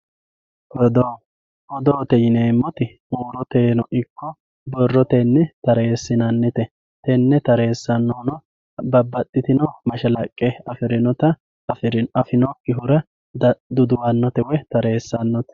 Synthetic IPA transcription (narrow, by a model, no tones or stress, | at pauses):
ɔd̪ | ʔɔd̪oːt̪ɛjɪneːmːɔt̪ɪ | uːɾɔt̪eːnɔʔɪkːɔ | bɔrːɔt̪enːɛt̪ɐɾe̞ːsːɪnɐnːɪt̪ɛ | t̪ɛnːɛt̪ɐɾe̞ːsːɐnːɔnɔ | bɐbːɐt̪ʼːɪt̪ɪnɔmɐʃɐlɐkʼːɛɐfɪɾɪnɔt̪ɐ | ɐfɪɾɪnɐfɪnɔkːɪɦʊɾɐ | d̪ʊd̪ʊwɐnːɔt̪ɛwɛt̪ɐɾe̞ːsːɐnːɔt̪